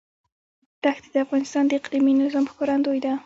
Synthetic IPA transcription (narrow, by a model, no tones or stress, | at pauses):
t̪axt̪id̪əafɣɑnɪst̪ɑnd̪əɪqliminɪzɑmkɑɾand̪ojd̪a